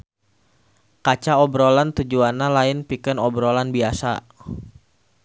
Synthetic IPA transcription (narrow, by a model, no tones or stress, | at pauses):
kat͡ʃaɔbɾolant̪ud͡ʒuanalaɪnpikənɔbɾɔlanbiasa̰